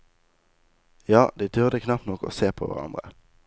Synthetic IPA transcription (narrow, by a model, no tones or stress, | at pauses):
jɑːd̪it̪ʰʏʁd̪əkʰnɑp̚t̪nɔko̰ːseːpʰo̰ːʋæ̰ʁɑ̰nd̪ʁə